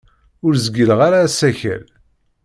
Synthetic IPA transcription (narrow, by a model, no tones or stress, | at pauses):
ʊɾzəɡəlʁaɾaːsæçæ̰l